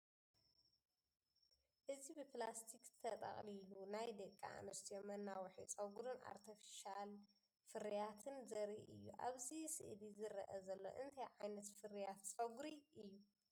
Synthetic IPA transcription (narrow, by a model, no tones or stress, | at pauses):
ʔɨzibɨplast̪ʰikt̪ʰɐt̪ʼɐ̰χʼlilunajd̪ɐkʼːa̰a̰nɐst̪ʰijomːɐnːawħit͡sʼɐɡuɾɨnʔa̰ɾt̪ʰɐfi̥ʃal | fɨɾijat̪ʰɨnzɐɾiʔʔɨ̰jːṵʔa̰βzisɨ̰ʔlizɨɾɐ̰ʔɐzɐlːo̞̰ʔɨnt̪ʰɐjʕajnɐt̪fɨɾijat̪t͡sʼɐɡuɾiʔɨjːu